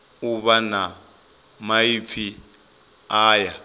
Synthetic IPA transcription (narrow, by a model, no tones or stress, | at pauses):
uβana | maip̪fʰi | aːja